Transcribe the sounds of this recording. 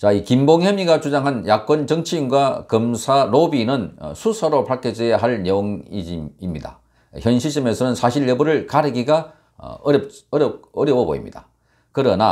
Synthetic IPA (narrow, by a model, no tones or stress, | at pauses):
t͡ɕaikimboŋhemiɡat͡ɕud͡ʑaŋɦanjak͈wʌnt͡ɕʌŋt͡ɕʰiinɡwakɯmsʰaɾobinɯn̰sʰusʰaɾopʰaɭk͈ʰed͡ʑejaɦaɭneoŋḭd͡ʑimimɲida̰ | çjʌnɕʰiɕ͈ʰimesʰʌnɯnsʰaɕʰiɭjebuɾɯɭkaɾɯɡiɡa̰ | p̚ɾʌɾjʌbobo̰ḭmɲḭd̥a | kɯɾʌna̰